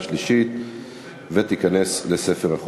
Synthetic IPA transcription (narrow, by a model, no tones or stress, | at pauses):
ʃliʃit̪ | vet̪ikane̞slese̞feʁaχ